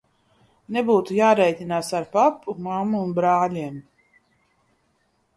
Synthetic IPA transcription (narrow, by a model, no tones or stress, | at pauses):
nebuːt̪ujaːɾɛjt̪ʲinaːsaɾpapːumamːuːnbɾaːlʲiɛm